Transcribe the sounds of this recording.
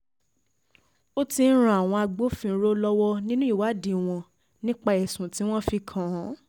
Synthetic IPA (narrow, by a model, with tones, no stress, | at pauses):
o˦ti˧n̩˦ɾ̃ã˨a˨w̃ɔ̃˧a˧ɡ͡bo˦fĩ˧˦ɾo˦lɔ˦wɔ˦nĩ˦nũ˦i˦˨wa˨˦di˨w̃ɔ̃˧ | nĩ˦k͡pa˧ɛ˨sũ˨ti˨˦w̃ɔ̃˦fi˧kʰã˨˦